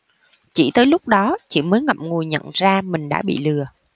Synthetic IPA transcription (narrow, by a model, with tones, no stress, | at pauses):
t͡ɕḭ˧˩t̪əː˨˦jlʊ˦˥k͡p̚ɗɔ˨˦t͡ɕi˧˩məː˨˦jŋə̰˨˩p̚ŋu˨˩əjɲə̰˧˨nzaː˧mï˨˩ŋ̟ɗa̰ː˧˥ɓḭ˧˨lɨ˨˩ə